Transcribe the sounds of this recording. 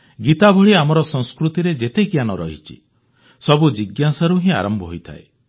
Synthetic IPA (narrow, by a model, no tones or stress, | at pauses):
ɡit̪abʱoɭiamɔɾɔsɔŋskɾut̪iɾed͡ʒet̪eɡjanɔɾɔ̰ɦḭt͡ʃʰḭ | sɔbud͡ʒiɡjasaɾuɦĩa̰ɾɔmbʱɔɦojt̪ʰa̰e